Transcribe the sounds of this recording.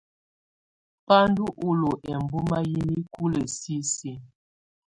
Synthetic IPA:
pa˦n˦du˦ʔu˨lo˨ʔɛ˨m˨bu˦ma˦ji˦ni˦ku˦le˨si˦si˨

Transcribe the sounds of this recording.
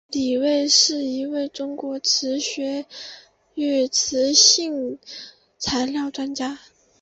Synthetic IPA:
li˨˩we˥˧ɪʂɻ̩˥˩i˧˥we˥˩ɪʈ͡ʂʊ˥ŋkwɔ˧˥ʈ͡ʂʰɻ̩˧˥ɕɥɛ˧˥ | y˥˩t͡s̩ʰ˧˥ɕi˥˩ŋ | t͡sʰa˧˥ɪljɑ˥˩ʊʈ͡ʂwa˥nt͡ɕja˥

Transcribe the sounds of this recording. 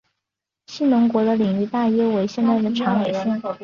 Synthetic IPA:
ɕi˥˩nʊ˧˥ŋkwɔ˧˥d̪ə˧li˨˩ŋy˥˧t̪a˥˩jɛ˥we˧˥ɪɕjɛ˥˧nt̪a˥˩ɪd̪ə˩ʈ͡ʂʰɑ˧˥me˨˩ɪʂ̩˥

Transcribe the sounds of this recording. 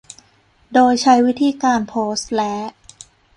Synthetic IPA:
doː˧jt͡ɕʰa˦˥jwi˦˥t̪ʰiː˧kaː˧npʰoː˦˥st̪̚lɛː˦˥ʔ

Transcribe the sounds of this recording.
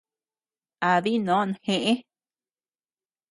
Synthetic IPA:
a˨ði˦nõ˨˦˨nhẽ˧ʔe˦

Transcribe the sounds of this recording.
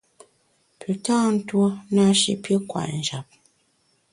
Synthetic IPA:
pʰʉ˨taː˦n̩˦two˦na˦ʃḭ˨pjə˦kwa̰˨n̩˨d͡ʒa˨p̚

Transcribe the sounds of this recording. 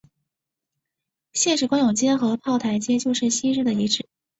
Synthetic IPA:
ɕjɛ˥˧nʂɻ̩˥˩kwa˥ŋjʊ˨˩ŋt͡ɕjɛ˥xɤ˧˥pʰɑ˥˩ʊt̪ʰa˧˥ɪt͡ɕjɛ˥t͡ɕjo˥˧ʊʂɻ̩˥˩ɕi˥ʈ͡ʂɻ̩˥˩d̪ə˨i˧˥ʈ͡ʂɻ̩˥˩˦

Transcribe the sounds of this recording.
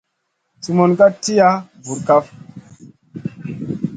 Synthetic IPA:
su˨mo˨nka˦ti˦ja˦vu˨ɾka˦f

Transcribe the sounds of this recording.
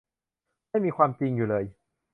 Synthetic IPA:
ma˥˩jmiː˧kʰwaː˧mt͡ɕi˧ŋjuː˨˩lɤː˧j

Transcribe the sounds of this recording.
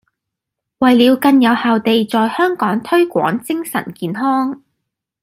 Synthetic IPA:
wɐ˨jliː˨˧wkɐ˧njɐ˨˧whaː˨wt̪e˨jt͡sɔː˨jhœː˥ŋkɔː˨˥ŋt̪ʰɵ˥ɥkʷɔ̰ː˨˥ŋt͡sɪ˥ŋsɐ̰˨˩nkiː˨nɦɔː˥ŋ

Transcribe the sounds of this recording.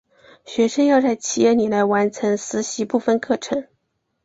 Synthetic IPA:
ɕɥɛ˧˥ʂə˥ŋjɑ˥˧ʊt͡sa˥˩ɪt͡ɕʰi˧˥jɛ˥˩ni˨˩la˧˥ɪwa˧˥nt͡sʰɤ˧˥ŋsɹ̩˧˥ɕi˧˥pu˥˩fə˧nkʰɤ˥˩ʈ͡ʂʰɤ˧˥˦ŋ

